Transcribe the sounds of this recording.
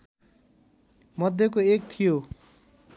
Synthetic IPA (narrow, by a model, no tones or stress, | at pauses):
mʌd̪ʱjʌkoek̚t̪ʰijo